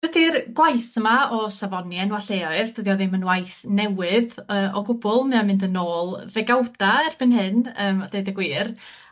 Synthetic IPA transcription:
dədirɡ̥wajθəmaɔsavɔnjɛnwaɬeːɔɨrd̥ʰədiɔðɪmənwajθnɛwɨðəːʔɔɡʊbʊlˠmɨamɪndənoːlˠðɛɡawd̥aɛrb̥ɨnɦɨnəːmɔd̥eɨdəɡwiːr

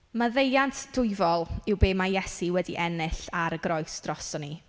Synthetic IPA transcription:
maðejantʰd̥ʊɨvɔlˠɪwbeːmajɛsiwɛdḭʔɛnɨɬaɾəɡɾɔjsd̥rɔsɔni

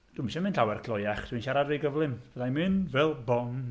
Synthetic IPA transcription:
d̥ʊmʃɛmɨnɬawɛrkʰlˠɔjaχd̥winʃaɾadveɡəvlˠɪmvɛðajmɨnvɛlˠbɔn

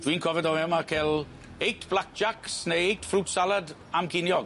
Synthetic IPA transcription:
d̥wiːnkʰɔvɛdɔɛmakʰɛlˠ | ejtʰb̥lˠak̚d͡ʒaksneejtfruːtsalˠad | amkʰɪnjɔɡ

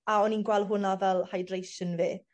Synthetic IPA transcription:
aɔninɡwɛlˠɦʊnavɛlˠhajdrejsənviː

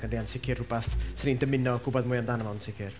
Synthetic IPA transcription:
ədiansʰɪkʰɪrʊbaθsənindəmɪnɔɡʊbɔdmʊːjaəmdanəmansʰɪkʰɪr

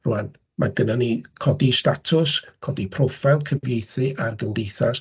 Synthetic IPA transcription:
ruan | mʔa̰ɡənanikʰɔdistatʰʊskʰɔdipʰrɔfalˠkʰəvjejθɨʔarɡəndejθas

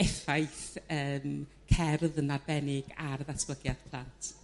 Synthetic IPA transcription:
ɛfajθəːm | kʰɛrðənarbɛnɪɡarðaskləɡjað̥pʰl̥ˠantʰ

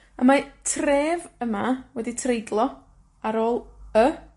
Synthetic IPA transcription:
əmatʰreːvəmawɛditʰrejdlˠɔ | aɾoːlˠə

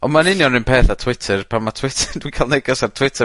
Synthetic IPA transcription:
ɔnmanɪnjɔnrɪnpʰeːθatʰw̥ɪtʰɛrpʰamatʰw̥ɪtʰəd̥ukʰalˠneɡɔsartʰwɪtʰə

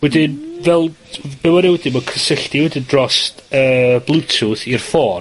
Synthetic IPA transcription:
wɛdɪnvɛlˠ | b̥ɛwɛɾɪwɛdɪnmɔkʰəsɪɬtiwɛdɪndrɔstəːblˠutʰuθirfɔː

